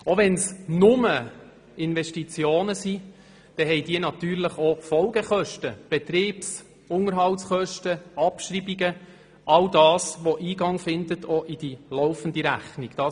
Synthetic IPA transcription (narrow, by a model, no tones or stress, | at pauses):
oʋɛnsnʊmə | ɪnvɛʃtit͡sjoːnəsi | d̪̥ɛɦɛjd̥iːnɑt̪yːɾləχɔfɔlɡəχœʃtəb̥ɛt̪ɾiːps | ʊŋəɾɦɑltsχœʃtəɑpʃribiɡə | ʔɑldɑːsʋɔʔiːɡɑŋfɪnd̪ətʰɔʔid̥ilɔʊfəndiɾæ̰χniɡ̥d̥ɑː